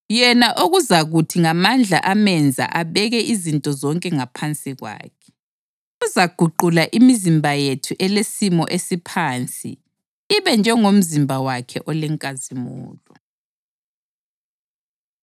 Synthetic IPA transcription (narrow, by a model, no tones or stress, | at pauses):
jɛnaʔoɣuzaɣutʰiŋamand͡ɮʱa̰ʔamɛnd͡zʱa̰ʔaβɛɣɛʔizintʼɔzɔŋkʼɛŋapʰant͡sʼiɣwa̰ːkʰɛ̥ | uzaɡ̥ʱuǃulaʔimizimbʱajetʰuʔɛlesimɔ̰ʔesipʰaːnt͡sʼḭ | iβɛnd͡ʒʱɛŋom̩zimbʱawakʰɛ̰ʔɔlɛŋkʼazimṵːlɔ